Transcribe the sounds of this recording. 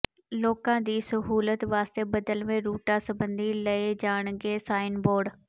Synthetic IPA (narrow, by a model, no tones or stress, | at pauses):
loːkãd̪iːsɐɦuːlət̪ʋaːst̪ebɐd̪əlmẽɾuːʈasɐbə̃nd̪ʱilɐed͡ʑaːɽ̃ɡeːsaːɪnboːɾɖ